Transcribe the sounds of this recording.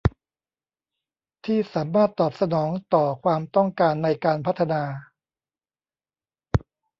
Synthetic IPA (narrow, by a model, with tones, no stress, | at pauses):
t̪ʰiː˥˩saː˩˦mːaː˥˩t̪ːɔː˨˩p̚sa˧nɔː˩˦ŋt̪ɔː˨˩kʰwaː˧mt̪ɔ˥˩ŋkaː˧nːa˧jkaː˧npʰa˦˥t̪ʰːa˧naː˧